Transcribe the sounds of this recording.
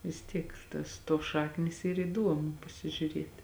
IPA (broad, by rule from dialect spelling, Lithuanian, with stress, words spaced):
ʋʲɪs ˈtʲiɛk tɐs ˈtuɔs ˈʃɑːknʲiːs ˈiːr iːˈduɔmʊ pɐsʲɪʒʲʊˈrʲiɛtʲɪ